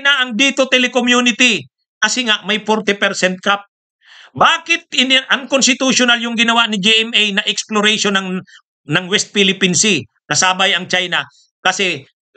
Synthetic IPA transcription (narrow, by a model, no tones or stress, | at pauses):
naʔɐŋd̪iːt̪ot̪ɛlɛkomjunɪt̪ɪ | kɐsɛŋaʔmɐjfoɾt̪ɪpɛɾsɛnt̪̚kap̚ | baːkɪt̪̚ɪnʔɐŋkonst̪ɪt̪uʃʊnaljʊŋɡɪnɐwaʔnɪd͡ʒiʔɛmɛjnɐʔɛksploɾɛjʃonɐŋ | nɐŋwɛst̪̚filɪpinsɪ | kɐsaːbɐjɐŋt͡ʃajna | kɐsɛ